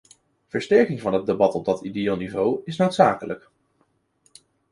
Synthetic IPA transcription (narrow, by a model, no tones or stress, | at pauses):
v̥əɹstɛɹkɪŋvɑnɦəd̚debɑtɔb̚dɑtidejelˠnivowɪsnowtsaːkələk